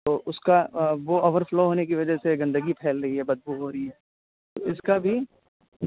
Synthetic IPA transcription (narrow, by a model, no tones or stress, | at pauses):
t̪oːʔʊskaʋooːʋəɾfloːɦoːnek̬iʋɐd͡ʒəseɡɐ̃nd̪əɡipʰɛːlɾɐɦiɦɛbɐd̪̚bʱuːɦoːɾɐɦiɦɛː | t̪o̰ɪskabʱi